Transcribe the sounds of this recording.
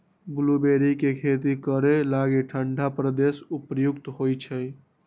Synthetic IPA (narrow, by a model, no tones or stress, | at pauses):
bulubeɾikekʰet̪ikəɾelaɡeʈʰəɳɖʱapɾəd̪esupɾjukt̪ɦojt͡ʃʰəj